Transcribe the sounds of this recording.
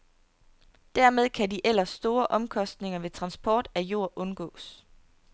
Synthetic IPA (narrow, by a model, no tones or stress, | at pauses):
d̥æɐmeð̞ˠkʰædiʔel̰ɐsːd̥o̝ːɐʔɒ̽mkʰɒ̽sd̥ne̝ŋɐʋe̝t͡sʰʁɑ̈nsb̥ʰɒːd̥æjo̝ɐ̰ʔɔ̽nɡ̥ɔ̰̽ːs